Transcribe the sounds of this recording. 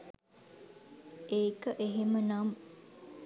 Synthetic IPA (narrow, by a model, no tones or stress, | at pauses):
eːkəʔeɦemənam